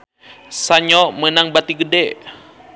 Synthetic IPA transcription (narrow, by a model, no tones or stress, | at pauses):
saɲɔmənaŋbat̪iɡədɛ